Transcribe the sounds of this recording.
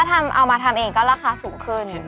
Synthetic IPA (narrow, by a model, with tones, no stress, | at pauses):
a˥˩t̪ʰa˧mʔa̰˧wmaː˧t̪ʰa˧mʔeː˧ŋkɔː˥˩ɾaː˧˩xaː˧˩suː˩˦ŋkʰɯ˧˩n